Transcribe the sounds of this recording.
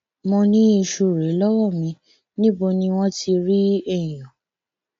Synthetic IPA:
mɔ̃˧nĩ˦i˧ʃo˧˨ɾe˨˦lɔ˦wɔ˦˨mĩ˧ | nĩ˦bo˧nĩ˧w̃ɔ̃˦ti˧ɾi˦ɛ˦˨j̃ɔ̃˨

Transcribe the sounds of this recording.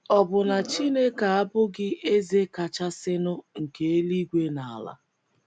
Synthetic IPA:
ɔ˨bʊ˨na˨t͡ʃi˦ne˦ka˨a˦bʊ˦ɡɪ˦e˦ze˦ka˨t͡ʃa˦sɪ˦nʊ˦ŋ̩˨ke˨e˦li˦ɡʷe˦na˨a˨la̰˦

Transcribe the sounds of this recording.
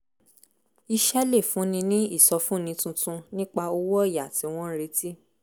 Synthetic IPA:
i˧ʃɛ˦le˦˨fũ˨˦nĩ˧nĩ˦i˦˨sɔ˧fũ˦˨nĩ˨˧˦tũ˧tũ˧nĩ˦k͡pa˧o˧wɔ˦˨ja˨ti˨˦w̃ɔ̃˦ɾe˧˦ti˦

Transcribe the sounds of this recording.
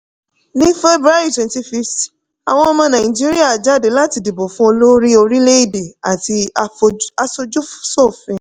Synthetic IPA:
nĩ˦fe˦bɾa˦i˦˨twɛ̃˨n˦ti˧˦fi˧st | a̰˨w̃ɔ̃˧ɔ˧mã˧nã˨ĩ˨d͡ʒi˦ɾi˦a˦˨d͡ʒa˦˨de˨˦la˦ti˧˦di˨bo˨fũ˦o˧lo˦ɾi˦o˧ɾi˦le˦i˦˨de˨a˨ti˧ | a˧so˧d͡ʒu˦fsɔ˦˨fɛ̃˨

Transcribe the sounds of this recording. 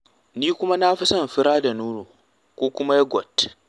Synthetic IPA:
niː˦kʷʊ˦ma˦na˦ɸɪ˦sɐ˦˨m˨ɸɪ˦ɾaː˦da˨nuː˦noː˨ | kʷoː˦kʷʊ˦ma˦ja˦ɡʷɔ̰˨t

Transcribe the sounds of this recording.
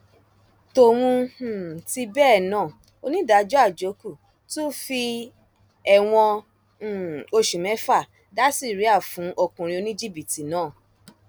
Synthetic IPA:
to˧w̃ũ˧˨ti˧bɛ˦˨nãː˦˨ | o˧nĩ˦da˨˦d͡ʒɔ˦a˦˨d͡ʒo˨˦ku˦˨ | tu˦fi˧ | ɛ˧˨w̃ɔ̃˧˨ | o˧ʃu˨mɛ̃˨˦fa˦˨ | da˦si˦˨ɾi˨˦a˦˨fũ˨˦ʔo˧kũ˧ɾ̃ĩ˧o˧nĩ˦d͡ʒi˦˨bi˨ti˨nãː˦˨

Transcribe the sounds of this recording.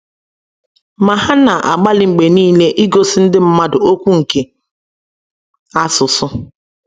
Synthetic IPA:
ma˨ɦa˦na˨ʔa˨ɡ͡ba˦lɪ˨ŋ͡m̩˨ɡ͡be˨niː˦le˦ʔi˦ɡo˦sɪ˦n̩˦dɪ˦m̩˦ma˦dʊ˨o˦kʷu˦ŋ̩˨ke˨ | a˦sʊ˨sʊ˦

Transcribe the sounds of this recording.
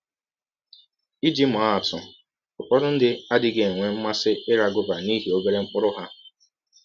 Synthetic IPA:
i˦d͡ʒi˦m˨a˦a˨tʊ˨ | ʊ˨k͡pɔ˦ɾʊ˦n̩˦dɪ˦a˦dɪ˦ɡe˨ŋʷe˦m̩˦ma˦sɪ˦ɪ˦ɾa˨ɡʊ˦ba˨ni˦ɦi˨o˦be˦ɾe˦ŋ͡m̩˦k͡pʊ˦ɾʊ˦ɦa˦

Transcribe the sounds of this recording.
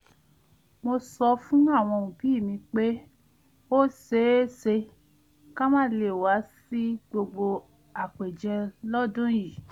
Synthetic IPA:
mo˧sɔ˧fũ˦a˦˨w̃ɔ̃˧˨ũ˨bi˨˦˨mĩ˧k͡pe˦ | o˦se˨˦se˧ | ka˦mã˦˨le˧˨wa˨˦si˦ɡ͡bo˧ɡ͡bo˧ | a˨k͡pe˨d͡ʒɛ̃˧lɔ˦dũ˦ji˨

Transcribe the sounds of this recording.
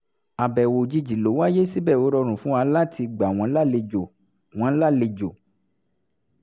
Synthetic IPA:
a˨bɛ˨wo˨d͡ʒi˧d͡ʒi˨lo˨˦wa˦je˦si˦bɛ˦˨o˨˦ɾɔ˧ɾ̃ũ˨fũ˦a˧˦la˦tʰi˧ɡ͡ba˨w̃ɔ̃˧˦la˦le˧d͡ʒo˨ | w̃ɔ̃˨˦la˦˨le˧d͡ʒo˨

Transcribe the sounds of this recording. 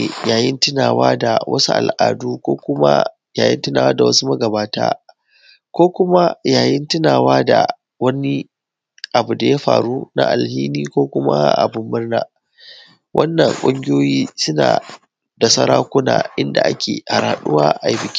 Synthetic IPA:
jaː˨jɪ˦ntɪ˦naː˨waː˦da˨wʔɐ̰˦su˦ʔa̰˨lʔaː˨duː˦kʷoː˦kʷʊ˦ma̰˦ | jaː˨jɪ˦ntɪ˦naː˨waː˦da˨wɐ˦su˦mɐ˦ɡɐ˨baː˦ta̰ː˦ | kʷoː˦kʷʊ˦ma˦jaː˨jɪ˦ntɪ˦naː˨waː˦da˨ | wɐ˦ni˦ | ʔa˨bu˨da˨ja˦ɸa̰ː˨ɽuː˦na̰˦ʔa˨lhiː˦niː˦kʷoː˦kʷʊ˦ma̰˦ʔa̰˨bʊ˦mːɪ˦rna˦˨ | wʔɐ˦nːɐ˨ŋkʷʼʊ˦ŋɡʲɪ˦joː˦jiː˦sʊ˦na̰ː˨ | da˨sɐ˦ɾaː˦kʷʊ˦na̰ː˨ʔɪ˦nda̰˨ʔa˦kʲeː˨ha˨ɾaa˨ɗʊ˦waː˦ʔa˨ji˦bɪ˨kʲi̥˦

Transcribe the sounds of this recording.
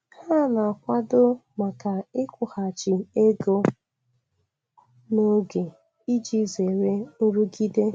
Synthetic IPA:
ha˦˨na˨kʷa˦dʊ˦ma˨ka˨ɪ˦kʷʊ˨ha˨t͡ʃi˨e˦ɡo˦ | no˦ɡe˨ | i˦d͡ʒi˦ze˨ɾe˦n̩˦ɾu˦ɡi˦de˦

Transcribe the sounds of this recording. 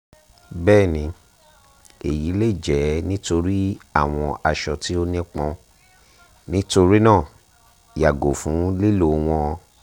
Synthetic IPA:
bɛː˦˨nĩ˧ | e˨ji˨˦le˦i˦˨d͡ʒɛ˨˦nĩ˦to˧ɾi˦a˦˨w̃ɔ̃˧a˧ʃɔ˨ti˦o˧nẽ˦k͡pɔ̃˧ | nĩ˦to˧ɾi˦nãː˦˨ | ja˨ɡo˨fũ˨˦le˦lo˨w̃ɔ̃˧ɔ˧

